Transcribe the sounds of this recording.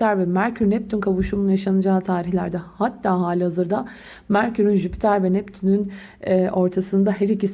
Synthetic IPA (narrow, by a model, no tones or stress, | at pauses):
æɾvɛmæɾcʰyɾnɛp̚t̪ʰynkʰaβuʃumunjaʃanɯd͡ʒaːt̪ʰaːɾiçlʲæɾd̪ɛhat̪ʰːaːɦaːlʲihazɯɾd̪a | mæɾcʰyɾynʒypʰi̥t̪ʰæɾvɛnɛp̚t̪ʰynyn | ɛʔo̞ɾt̪ʰasɯnd̪aɦɛɾicis